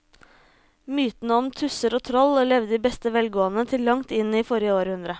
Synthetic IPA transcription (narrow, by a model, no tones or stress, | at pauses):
myːt̪nəɔmt̪ʰʉsəɾoːt̪ʰɾɔllɛʋd̪əd̪iːbɛst̪əʋɛlɡoːənət̪ʰɪlːɑŋt̪ɪnːiːfɔɾjəoːɾəhʉnd̪ɾə